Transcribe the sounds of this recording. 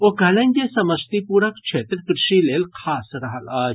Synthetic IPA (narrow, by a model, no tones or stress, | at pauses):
oɡɐlɐ̃ɲkesɐməst̪ipuːɾəkʂʰet̪ɾəkɾɪʂilelkʰasɾɐɦəl